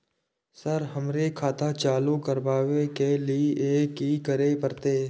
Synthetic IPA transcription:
səɾɦəmɾekʰaːt̪at͡ʃaːlukəɾbaːʋekeliiʔeːkikəɾepəɾt̪eː

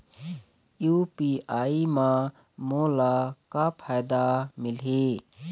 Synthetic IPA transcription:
jupiaːimã | moːlakapʰaːjd̪amɪlɦe

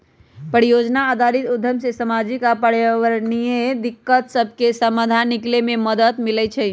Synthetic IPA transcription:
pəɾijod͡ʒnaad̪ʱaɾit̪ud̪ʱjəmsesəmad͡ʒikapəɾʋəɾnijed̪ikːət̪səbʱkesəməd̪ʱaniklememəd̪ət̪milɛt͡ʃʰɛ

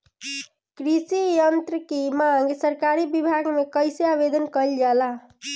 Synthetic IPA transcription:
kɾisijənt̪ɾəkemaŋɡsəɾkaɾibibʱaɡmekəjseabed̪ənkəld͡ʒala

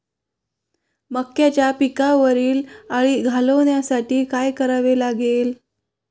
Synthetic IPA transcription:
məkːjat͡ɕjapikaʋəɾiːlaɽ̃iɡʱaləʋnjasaʈiːkajkəɾaʋelaɡel

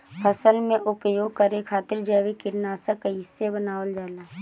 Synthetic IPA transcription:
pʰəsəlmẽʔʊpjoːɡ̚kəɾekʰaːt̪ɪɾd͡ʒɛːʋekɪɾnaːsakeɦɪsːebənaːʋəld͡ʒaːlaː

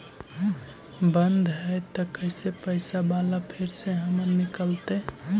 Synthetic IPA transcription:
bənd̪ʱɦɛt̪ɔkəɪsepəɪsabalapʰiɾseɦəməɾnikəlt̪e

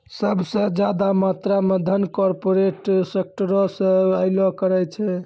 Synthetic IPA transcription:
səbʱsẽd͡ʒjad̪amat̪ɾaməd̪ʱənkɔɾpoɾeʈsek̚ʈəɾɔsəaɪlɔkəɾɛjt͡ʃʰɛ

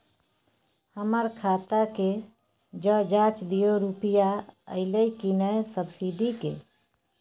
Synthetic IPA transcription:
həməɾkʰat̪ake | d͡ʒəd͡ʒat͡ʃd̪ijoɾupijaə̰ɪləjkinəsəbsiɖikḛ

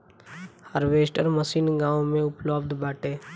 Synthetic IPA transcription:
həɾʋeːsʈəɾməsiːnɡãːwõmẽʊpləbd̪baːʈeː

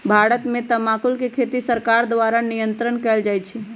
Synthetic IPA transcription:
bʱaɾət̪mẽt̪əmakulkekʰet̪isəɾkaɾd̪ʋaɾanijənt̪ɾənkɛld͡ʒajt͡ʃʰɛ

